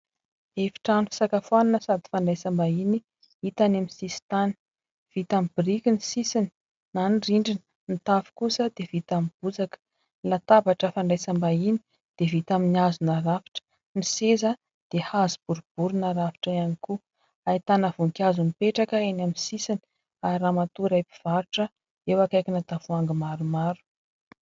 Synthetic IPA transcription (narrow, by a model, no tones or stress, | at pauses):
efi̥ʈ͡ʂanifi̥sakafwananəsad̪i̥faɳɖ͡ʐajsambaini | it̪anaminsisi̥t̪ani̥ | v̥it̪amibirikʲinisisini̥ | naniriɳɖ͡ʐinə | nit̪afi̥kusəd̪̥evit̪amib̥ud͡zakə̥ | nlat̪abaʈ͡ʂəfaɳɖ͡ʐajsambaini̥ | d̪̥evit̪aminiazunaɾafi̥ʈ͡ʂə̥ | nisezə | d̪̥ehazib̥uɾub̥uɾunaɾavi̥ʈ͡ʂaaniku | ait̪anəvuŋkʲazunipeʈ͡ʂakəenaminsisini̥ | aɾamat̪uɾajpi̥v̥aɾuʈ͡ʂə | ewakajkinat̪avuaŋɡimaɾumaɾu̥